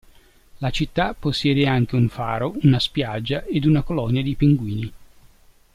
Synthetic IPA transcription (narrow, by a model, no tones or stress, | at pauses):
lat͡ʃit̪ːapːosːjɛːd̪eaŋk̟euɱfa̰ːɾounaspjad͡ʒːaʔed̪unakolɔnjad̪ipiŋɡwiːni